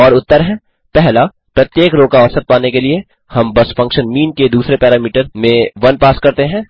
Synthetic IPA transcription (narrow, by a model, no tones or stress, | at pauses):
ɔːɾʊt̪ːəɾɦɛ̃ː | pɛɦla | pɾɐt̪jeːkɾoːkaɔsət̪̚paːnekelie | hɐmbɐsfɐ̃ŋkʃənmiːnked̪uːsɾepɛːɾaːmiːʈəɾmẽʋɐnpaːskɐɾt̪eɦɛ̃ː